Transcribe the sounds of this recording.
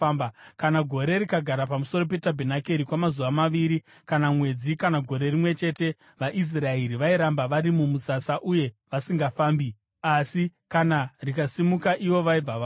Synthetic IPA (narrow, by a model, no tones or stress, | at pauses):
mbakanaɡʱo̞ɾe̞ɾikaɡʱaɾapamuso̞ro̞p̬e̞tabʱenakeɾikwamazuʋamaʋiɾi | kanamwe̞d͡zikanaɡʱo̞ɾe̞rimwe̞t͡ʃe̞te̞ | ʋaʔis̬rae̞ɾiʋaiɾambaʋaɾimumusasaʔuje̞ʋasiŋɡafaːmbi | asikanarikasimukaʔiʋo̞ʋaib͡vaʋa